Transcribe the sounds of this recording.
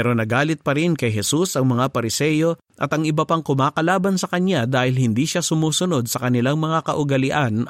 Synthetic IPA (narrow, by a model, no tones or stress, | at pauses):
ɛɾo̞nɐɡaːlɪt̪̚pɐɾɪnkɐjɦɛsusɐŋmɐŋapɐɾɪsɛːjo̞ | ʔɐ̰t̪ɐŋɪbɐpaŋkʊmaːkɐlaːbɐnsɐkɐnad̪aːhɪlhɪnd̪iːʃasʊmuːsʊno̞d̪̚sɐkɐnɪlaŋmɐŋakɐʔʊɡɐlɪʔan